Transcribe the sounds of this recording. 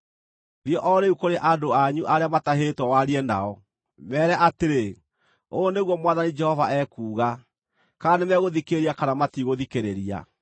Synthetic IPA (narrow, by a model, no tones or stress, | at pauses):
ðjɔʔɔɾeukoɾeʔadoaɲuʔaɾeamataɦetwɔwaɾiɛna̰ɔ | mɛɾɛʔateɾe | oːneɣwɔmwaðanid͡ʒɛhɔvaɛkuːɣa | kanemɛɣoðikeɾiakanamatiɣoðikeɾeɾia̰